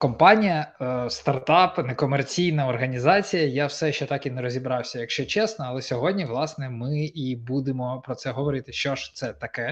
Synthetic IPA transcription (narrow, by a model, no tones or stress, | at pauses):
kɔmpɑnʲijɐst̪ɐrt̪ɑpnɛkɔmɛrt͡sʲijnɐɔrɦɐnʲizɑt͡sʲijɐjawsɛʃt͡ʃɛt̪ɑkinɛɾɔzʲibɾɑwsʲɐjɐkʃt͡ʃɔt͡ʃɛsnɔɐlˠɛsʲɔɦɔdʲnʲiʋlˠɑsnɛmɪibud̪ɪmɔpɾɔsɛɦɔʋɔɾɪt̪ɪʃt͡ʃɔʃt̪sɛt̪ɐkɛ